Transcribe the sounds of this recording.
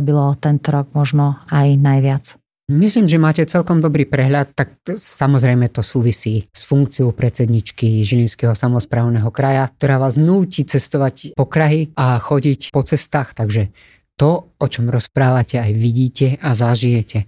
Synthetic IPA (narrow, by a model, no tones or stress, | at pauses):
bilɔt̪ɛnt̪ɔɾɔɡ̚mɔʒnɔajnajʋɪat͡s | misliːmʒɛmaːcɛt͡sɛlkɔmd̪ɔbɾiːpɾɛɦʎat̪ːaksamɔzɾɛjmɛt̪ɔsuːʋisiːsfuŋk̚t͡siɔʊpɾɛtt͡sɛd̪ɲit͡ʃkiʒilinskɛɦɔsamɔspɾaːʊnɛɦɔkɾajak̚t̪ɔɾaːʋaːznuːcit͡sɛst̪ɔʋacpɔkɾaɦiaxɔɟicpɔt͡sɛst̪aːxt̪aɡʒɛ | t̪ɔɔt͡ʃɔmɾɔspɾaːʋacʰɛajʋiɟiːcɛazaʒijɛcɛ